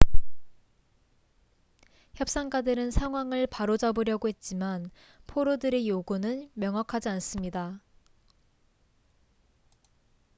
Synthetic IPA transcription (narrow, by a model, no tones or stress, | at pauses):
çjʌp̚s͈aŋɡadɯɾɯnsʰaŋɦwaŋɯɭpaɾod͡ʑʌbɯɾjʌɡoɦe̞t̚t͡ɕ͈iman | pʰoɾodɯɾe̞joɡunɯnmjʌŋɦakʰad͡ʑians͈ɯmɲida